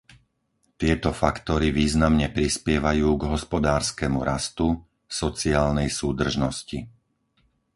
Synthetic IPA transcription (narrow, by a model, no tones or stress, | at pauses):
t̪ɪɛt̪ɔfakt̪ɔɾiʋiːznamɲɛpɾispɪɛʋajuːɡɦɔspɔd̪aːɾskɛmuɾast̪u | sɔt͡siaːlnɛjsuːd̪r̩ʒnɔsci